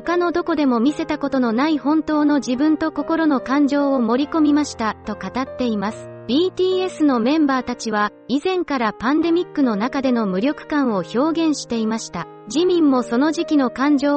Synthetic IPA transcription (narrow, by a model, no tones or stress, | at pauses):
ho̞kano̞d̪o̞ko̞d̪e̞mo̞mʲise̞t̪ako̞t̪o̞no̞naihõ̞nt̪o̞ːno̞ʑibɯ̟̃nt̪o̞ko̞ko̞ɾo̞no̞kãɲ̟d͡ʑo̞ːmo̞ɾʲiko̞mʲimaɕi̥t̪at̪o̞kat̪at̪ːe̞imasɨ̥b̥ʲiːt̪ʲiːe̞sɨno̞mẽ̞mbaːt̪at͡ɕiβa | izẽ̞ŋkaɾapãnd̪e̞mʲikːɯno̞nakad̪e̞no̞mɯ̟ɾʲo̞kɯ̟̥kãɰ̃o̞ço̞ːɡẽ̞ɰ̃ɕi̥t̪e̞imaɕi̥t̪a | d͡ʑimʲĩmːo̞so̞no̞ʑikʲino̞kãɲ̟d͡ʑo̞ː